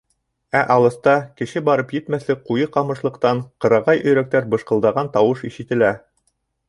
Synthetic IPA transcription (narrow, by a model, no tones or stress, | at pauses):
æʔɑlˠɤ̆st̪ɑkɘ̆ʃɘbɑɾɤpjɘ̆t̪mæθlɘk̚qujɤqɑmɤ̆ʃlˠɤ̆qt̪ɑɴqɤ̆ɾɑʁɑjʔɵ̆jɾæk̚t̪æɾbɤ̆ʃqɤ̆lˠd̪ɑʁɑnt̪ɑwɤʃiʃɘ̆t̪ɘ̆læ